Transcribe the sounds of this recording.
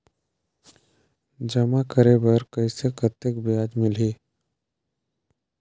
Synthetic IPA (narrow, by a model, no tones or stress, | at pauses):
d͡ʒəmakəɾebəɾkəɪsekət̪ekbɪjaːd͡ʒmɪliː